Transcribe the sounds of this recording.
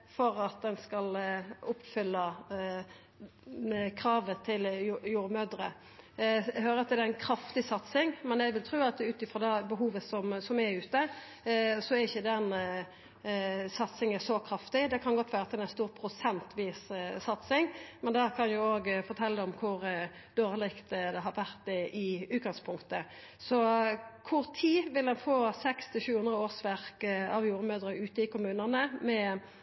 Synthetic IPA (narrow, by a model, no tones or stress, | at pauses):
fɔɾɑt̪̚d̪ɛnskɑlʊpːfʏlːə | kʰɾɑːʋət̪ʰɪljuːɾmød̪ɾə | ɦøːɾəɑt̪d̪ɛænkʰɾɑft̪ɪsɑt̪sɪŋmɛnæɪʋɪlt̪ʰɾʉːɑt̪ʉːt̪ɪfɾɔːd̪ɛbəɦuːʋəsɔmsɔmæɾʉːt̪ə | sɔæɾɪçːəd̪ɛn | sɑt̪sɪŋəsɔkʰɾɑft̪ɪd̪ɛkʰɑnɡɔt̪ʰːʋæːʁət̪ʰɛlænst̪uːʁpʰɾʊsɛnt̪ʋiːssɑt̪sɪŋmɛnd̪æʁkʰɑnjʊoːɡfɔɾt̪ʰɛlːəɔmkʰʊɾ | d̪oːʁlɪkt̪d̪ɛɦɑɾʋæʁt̪̚ɛʔɪʉːt̪̚ɡɑŋspʰʊŋkt̪ə | sɔkʰʊʁt̪ʰiːʋɪld̪ɛnfoːsɛkst̪ʰɪlʃʉːhʉnd̪ʁəoːsʋæʁkɑʋjuːɾəmøːd̪ʁəʉːt̪əɪkʊmʉːnənəmɛ